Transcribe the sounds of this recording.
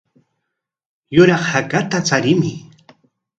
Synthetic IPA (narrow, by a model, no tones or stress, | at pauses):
jʊɾɑχhakat̪at͡saɾɪmɪ